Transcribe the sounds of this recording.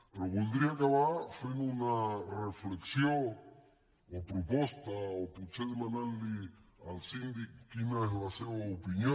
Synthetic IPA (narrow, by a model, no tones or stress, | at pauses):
peɾokuld̪ɾiakaβafinunarefleksjoŋ | opɾopost̪aoput͡ʃeðemãnanlialsind̪ikkinalaseoopinjõ